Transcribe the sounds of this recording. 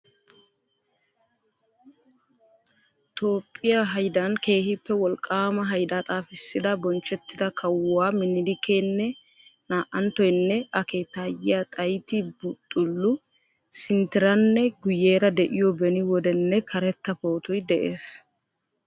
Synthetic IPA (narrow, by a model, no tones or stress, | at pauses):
t̪o̞ːpʼːɪjaɦɐjd̪ɐnke̞ːhɪpːɛwɔlkʼːaːmɐɦɐjd̪at̪ʼaːfɪsːɪd̪ɐbɔnt͡ʃːɛt̪ːɪd̪ɐkʰɐwwaːmɪnɪd̪ɪkʰeːnːɛ | naːʔɐnt̪ɔjnːɛɐke̞ːt̪ːaːjɪjat̪ʼɐjt̪ɪbʊt̪ʼːʊlːʊ | sɪnt̪ɪɾɐnːɛɡʊjeːɾɐd̪ɛʔɪjɔbɛnɪwɔd̪ɛnːɛkʰɐɾɛt̪ːɐpo̞ːt̪ɔjd̪ɛʔeːs